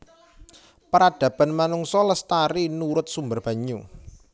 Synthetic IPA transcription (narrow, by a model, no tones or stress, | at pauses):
pəɾad̥ä̤b̥a̤nmanuŋsɔləst̪aɾinuɾʊt̪̚sumbərb̥a̤ɲu